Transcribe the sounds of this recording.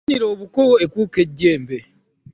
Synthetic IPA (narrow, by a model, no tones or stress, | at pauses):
ɲiɾoːβukowoekwuːke̞ɟːe̞ːmbe